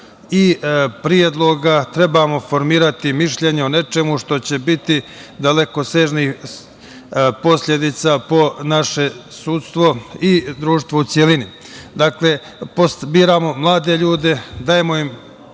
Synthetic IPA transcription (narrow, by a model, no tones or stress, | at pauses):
ipɾijed̪lˠo̞ɡat̪ɾe̞bamo̞fo̞ɾmiːɾat̪imiʃʎe̞ɲeone̞t͡ʃe̞muʃt̪o̞t͡ɕe̞bit̪id̪ale̞ko̞seʒnix | po̞sʎʲe̞d̪it̪sapo̞naʃe̞suːt̪st̪ʋo̞id̪ɾuːʃt̪ʋout̪sʲjelini | d̪akle̞ | posbiːɾamo̞mlˠaːd̪e̞ʎuːd̪e̞d̪aːje̞mo̞im